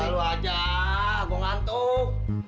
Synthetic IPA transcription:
aluad͡ʒaː | kuŋant̪u

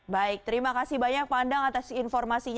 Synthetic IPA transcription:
baɪk̚t̪əɾimakasibaɲak̚pandaŋat̪asinfɔrmasiɲ

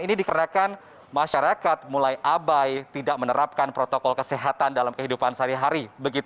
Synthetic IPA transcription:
inidikənakan | maʃaɾakat̪̚mulajʔabajt̪idaʔmənəɾap̚kanpɾot̪okɔlkəseɦat̪andalamkəɦidupansaɾiɦaɾibəɡit̪

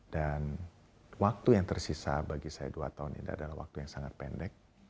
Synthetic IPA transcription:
d̥an | wak̚t̪ujaŋt̪ərsisa̰baɡisaja̰dua̰t̪aunḭndiadalahwa̰k̚t̪ujaŋsaŋat̪̚pɛndɛk̚

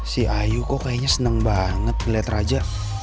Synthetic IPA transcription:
siajukɔkajaɲasənəŋbaŋət̪̚kəliat̪rad͡ʒaʔ

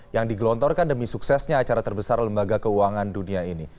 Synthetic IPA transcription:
jaŋdiɡlɔnt̪ɔrkandəmisuksɛsɲaːt͡ʃaɾat̪ərbəsarləmbaɡakəuwaŋanduniaini

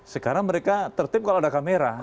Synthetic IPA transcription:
səkaɾaŋməɾekat̪ərt̪ɪp̚kaloadakameɾa

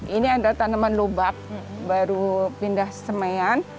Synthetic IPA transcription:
ʔiniadalt̪anamanlobap̚ | baɾupindahsəmajan

